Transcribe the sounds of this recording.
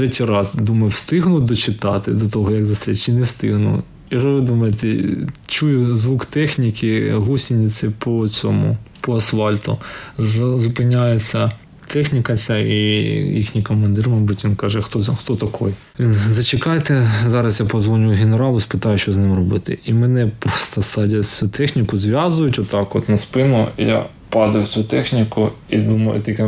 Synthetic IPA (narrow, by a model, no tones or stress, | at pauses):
t̪ɾɛtʲijɾɑzd̪umɐjʊwst̪ɪɦnʊd̪ɔt͡ʃɪt̪ɑt̪ɪd̪ɔt̪ɔɦɔjɐɡzɐst̪ɾʲit͡ʃɪnɛst̪ɪ̰ɦnʊ̰ | jiʒɔʋɪd̪umɐjet̪ɛt͡ʃujʊzʋukt̪ɛxnʲikʲʰɪɦusʲinʲit͡sʲɛpɔt͡sʲɔmʊ̰pɔɐsfɑlʲt̪ʊ̰zɐzʊpɪnʲajet͡sʲːɐ | t̪ʰɛxnʲikɐt͡sʲaijixnʲijkɔmɐnd̪ɪrmɐjbutʲʋʲinkɑʒɛxt̪ɔxt̪ɔt̪ɐkʰɔj | ʋʲinzɐt͡ʃɪkɑjt̪ɛzɑɾɐsjapɔzʋɔnʲʊjɦʲeneɾɑlˠʊspɪt̪ɑjʊʃt͡ʃɔznɪmrɔbɪt̪ɪ̰imɛnɛpɾɔst̪ɐsɑdʲɐt͡sʲut̪ʰɛxnʲikʊzʋʲjazʊjʊtʲɔt̪ːɑkɔt̪nɐspɪnʊja̰ | pɑd̪ɐwt͡sʲsʲut̪ɛxnʲikʊid̪umɐ̰jʊ̰t̪ikɛ